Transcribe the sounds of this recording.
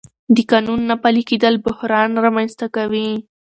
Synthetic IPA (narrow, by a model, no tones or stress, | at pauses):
d̪əkɑnunːapaliked̪əlbʊhɾɑnɾɑmanst̪akawi